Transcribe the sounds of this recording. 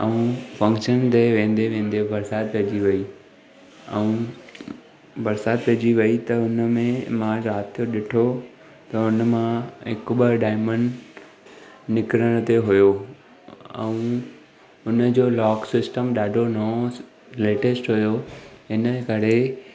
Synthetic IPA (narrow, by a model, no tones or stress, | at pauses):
əũfɐ̃ŋkʃənt̪eʋẽːn̆d̪eʋẽːn̆d̪ebɐɾsaːt̪̚pɐd͡ʑiʋɐi | ɛũ | bɐɾsaːt̪̚pɐɦd͡ʑiʋɐit̪ɐʊnəmẽmãɾaːt̪ʰjoɗɪʈʰo | t̪ɐʊnəmãɦɪkɓəɖaːɪmə̃ɳɖ | nɪkɾəɽ̃t̪eɦʊjo | ɛ̰̃ũ | ʊnə̆d͡ʑoːlɔːksɪsʈəmɗaːɖʱonɐo | leːʈesʈɦʊjoɦɪnə̆kɐɾe